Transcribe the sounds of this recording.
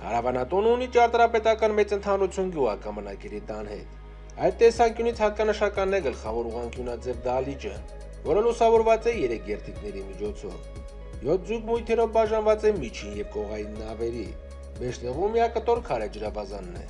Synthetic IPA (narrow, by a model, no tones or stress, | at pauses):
hɑ̰ɾɑvɑnɑt̪ɔnunit͡ʃɑɾt̪ɾɑpɛt̪ɑkɑnmɛt͡sənt̪ʰɑnɾut͡sʰjunɡjuʁɑkɑmənɑkɛɾit̪ɑnhɛ̰t̪ | ɑjt̪tːɛsɑŋkjunit͡sʰhɑkɑnəʃɑkɑnːɛɡəlχɑvɔɾuʁɑŋkjunɑd͡zɛvd̪ɑlit͡ʃə̰ | vɔɾəlusɑvɔɾvɑt͡sɛjɛɾɛkʰɡɛɾt̪ʰiknɛɾimit͡ʃʰɔt͡sʰɔ̰v | jɔt̪̚ʰd͡zujkmujt̪ʰɛɾɔvbɑʒɑnvɑt͡sɛmit͡ʃʰinjɛvkɔʁɑjinːɑvɛɾi | bɛʃt͡s̪ɛvumiɑkət̪ɔɾkʰɑɾɛd͡ʒəɾɑvɑzɑnːɛ̰